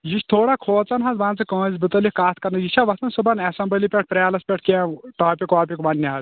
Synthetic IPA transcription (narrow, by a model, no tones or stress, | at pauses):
jiʃt̪ʰoːɽakʰoːt͡sɐnɦɐzbãːnt͡sɨkə̃ːzbɨt̪ɐlikaːt̪̚ʰkɐɾnɐjit͡ʃʰaʋɐsɐnsɨbɐnɐsɐmbəlipʲeʈ̚pɾʲaːlɐspʲeʈ̚ʰkʲeːʈaːpʲikaːpʲikʋɐnːiɦɐz